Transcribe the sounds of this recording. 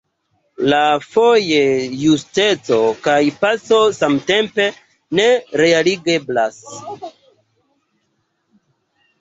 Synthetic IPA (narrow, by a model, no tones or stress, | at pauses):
lafo̞jejuste̞t͡so̞kajpaso̞samte̞mpe̞ | ne̞ɾealiɡe̞blas